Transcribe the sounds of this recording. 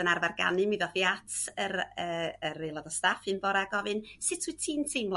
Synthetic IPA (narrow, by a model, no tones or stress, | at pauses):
ənarvarɡa̰nɨmiðɔfiatʰərəːərelˠɔðɔstafɨnbɔɾaɡɔvɨnsɨtʰwiɨtʰiːntʰejmlˠ